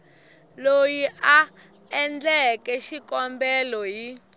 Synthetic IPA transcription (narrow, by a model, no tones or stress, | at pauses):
lojiʔa | ɛnd͡ɮɛkɛʃikɔmbɛlɔji